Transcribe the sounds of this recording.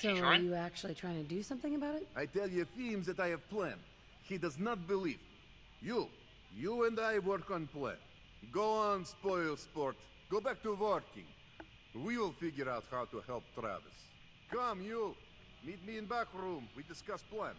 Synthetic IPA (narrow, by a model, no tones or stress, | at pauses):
soəjɨæk̚t͡ʃul̩ˠitʰɹ̥aɪɪ̃ŋtʰɨdɨsʌ̃mθɪ̃ŋɨbaʊɾɨt̚aɪtɛlˠjɨθĩmzðɨɾaɪɨv̥pʰlæ̃nd | hidʌznət̚bɨliv | ju | juə̃ndaɪwɜ˞kə̃nplæ̰̃n | ɡoʊə̃nspɔɪlˠspɔɹt̚ | ɡ̥oʊbæk̚tuwɔɹkɪ̰̃ŋ | wiwɪlˠfɪɡjə˞aʊt̚haʊtuhɛlˠp̚t̪ɹæ̰vɨ̰s | kʰʌ̃mju | mit̚miɨ̃nbækɹũmwidɨskʌsplæ̃n